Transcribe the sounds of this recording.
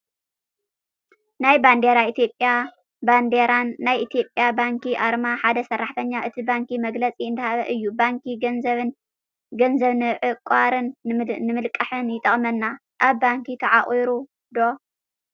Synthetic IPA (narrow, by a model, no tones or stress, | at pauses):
najband̪eɾait̪ʰjo̞pʼja | band̪eɾanːajʔit̪ʰjo̞pʼjabaŋkʰiʔaɾmaħad̪ɐsɐrːaħt̪ʰɐɲːaʔɨt̪ʰibaŋkimɐɡlɐt͡sʼiɨnd̪ɐhaβɐʔɨjːubaŋkinzɐβɨn | ɡɐnzɐβnɨʕɨkʼaɾɨnːɨmɨlkʼːɐħɨnjɪt̪ʼɐχʼmɐnːa | ʔaβbaŋkit̪ʰɐʕaχʼiɾu | d̪o̞